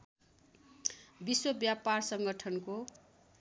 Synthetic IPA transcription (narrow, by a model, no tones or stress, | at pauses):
biswʌbjaparsʌŋɡʌʈʰʌnko